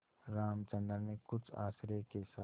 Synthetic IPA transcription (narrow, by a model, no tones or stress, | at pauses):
ɾaːmt͡ʃə̃nd̪əɾnekʊt͡ʃʰa̰ːsɾekesa